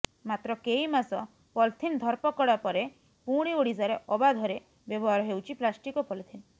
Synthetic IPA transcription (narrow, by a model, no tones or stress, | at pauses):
mat̪ɾɔkeimasɔ | pɔlt̪ʰind̪ʱɔɾpɔkɔɽapɔɾe | puɽ̃ioɽizaɾeʔɔbad̪ʱɔɾe | bjɔbɔɦaɾɔɦewt͡ʃʰiplasʈikɔpɔlt̪ʰin